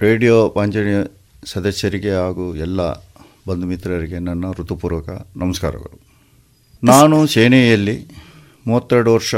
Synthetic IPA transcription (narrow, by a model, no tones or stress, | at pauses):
ɾeːɖijoːpɐɲd͡ʒɐɳɐ | sɐd̪ɐsjɐɾiɡe̞aːɡuɛlːɐ̰ | bɐnd̪umit̪ɾɐɾiɡe̞nɐnːɐɾut̪ːupuːɾʋɐkɐnɐmɐska̰ːɾɐ̰ɡɐ̰ɭu | naːnuseːnɛjɐlːi | muːʋɐt̪ːeɾɽuʋɐɾʂɐ